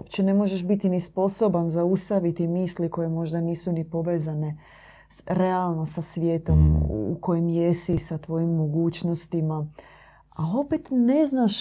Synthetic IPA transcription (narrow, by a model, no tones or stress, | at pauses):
opt͡ɕenemo̞ʒeʃbit̪inispo̞so̞banzaust̪aʋit̪imiːsliko̞je̞mo̞ʒd̪aniːsunipo̞ʋeːzane̞ | ɾe̞alˠno̞sasʋjeːt̪o̞m̰ːko̞jimjesisat̪ʋo̞jimːoɡuːt͡ʃno̞st̪ima | ao̞pet̪ne̞znaʃ